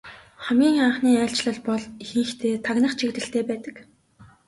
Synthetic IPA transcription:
χæmɡʲiːŋχaɴχniːæːɬt͡ɕɮə̆ɮpɔɮixiŋxt̪ʰeːt̪ʰaɣnə̆χt͡ɕʰikt̪ɘ̆ɬt̪ʰeːpæːt̪ə̆k

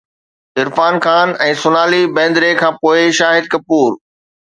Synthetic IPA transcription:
ɪɾfaːnxaːnɛ̃ːsʊnaːlibɛ̃ːnd̪ɾekʰãːpoːɪʃaːɦɪd̪̚kɐpuːɾ

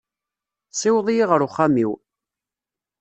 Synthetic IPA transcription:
sˤɪwðˤjiʁəɾʊχːamiw

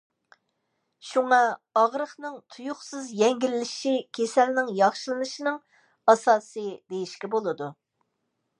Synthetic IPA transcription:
ʃuŋɑɑʁɾəχnɨŋt̪ʰujʊχsɨzjɛŋɡʲilːɪʃikʲʰesɛlnɪŋjɑχʃɨlˠɨnɨʃinɨŋ | ɑsɑːsɨd̪ejiʃkʲibolˠɨd̪u

